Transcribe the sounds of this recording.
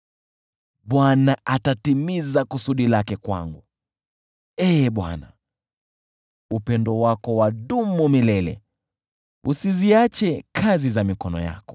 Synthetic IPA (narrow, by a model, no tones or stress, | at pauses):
ɓwanaʔatatimizakusuɗilakɛkwa̰ŋɡu | ɛɓwa̰na | upɛndɔwakɔwaɗumumilɛlɛ̰ | usiziat͡ʃɛkʰazizamikɔnɔ̰ja̰kɔ̥